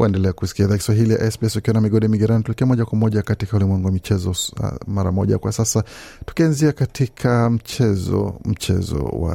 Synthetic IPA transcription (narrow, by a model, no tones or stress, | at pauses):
wʔaɛndɛlɛakusi̥kiaiðaːkiswaɦilija̰ʔɛsbiɛsukiwanamiɠɔɗimiɡiɾanitulikiɛamɔʄakwamɔʄakatikaulimwɛŋɡuwamit͡ʃɛzɔ̰maɾa̰mɔʄa̰kwasasatu̥kianziakatʰikʰam̩t͡ʃɛzɔ̰m̩t͡ʃɛ̰zɔ̰wa̰